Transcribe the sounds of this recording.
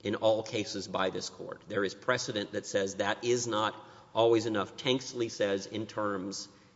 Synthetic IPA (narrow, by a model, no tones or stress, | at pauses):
ʔɨ̃nɔlˠkʰeɪsɨzbaɪðɪskʰɔ̰ɹt̪̚ðə˞ɨz̥pʰɹ̥ɛsɨɾɨ̃nðɨtsɛzðɨɾʔɪznəɾ | ʔɔlˠwizɨnʌftʰɛ̃ŋkstˡlisɛzɪ̃ntʰɜ̃˞mz̥